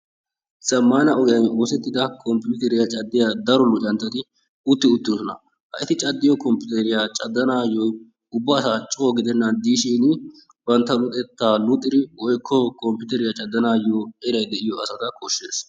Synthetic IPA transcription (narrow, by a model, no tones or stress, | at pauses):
sɐmːaːnɐʔɔɡjɐjoːsɛt̪ːɪd̪ɐkʰɔmpɪjuːt̪ɛɾɪjat͡ʃʼɐd̪ːɪjad̪ɐɾɔlːʊt͡ʃʼɐnt̪ːɐt̪ɪ | ʊt̪ːɪʊt̪ːɪsɔnɐ̰ | hɐ̰ʔɪt̪ɪt͡ʃʼɐd̪ːɪjɔkɔmpʊt̪ɛɾɪjat͡ʃʼɐd̪ːɐnaːjɔ | ʊbːɐsat͡ʃʼːoːɡɪd̪ɛnːɐnd̪iːʃiːnɪ | bɐnt̪ːɐlʊt̪ʼɛt̪ːaːlʊt̪ʼːɪɾɪʔɔjkʰːɔkʰʼɔmpɪʊt̪ɛɾɪjat͡ʃʼɐd̪ːɐnaːjoɛɾɐjd̪ɛʔɪjɔɐsɐt̪ɐkʰɔʃːeːs